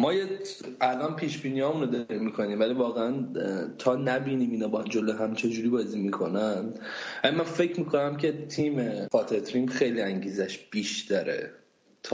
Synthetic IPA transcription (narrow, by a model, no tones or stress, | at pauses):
mɒːjeʔælʔɒnpʰiːʃbiːniɒːmunod̪ɒɾimːiːkʰo̞niːmvæliːvɒːɣeænt̪ʰɒːnæbiːniːmiːnɒːbɒhand͡ʒoloɦæmt͡ʃʰe̞d͡ʒuːɾiːbɒːziːmiːkʰo̞nænvælimænfe̞cʰmiːkʰonæmcʰe̞t̪ʰiːmexɒːt̪ʰet̪ʰɾiːmxejliːæŋɟiːzæʃb̥iːʃt̪ʰæɾḛ | t̪ʰː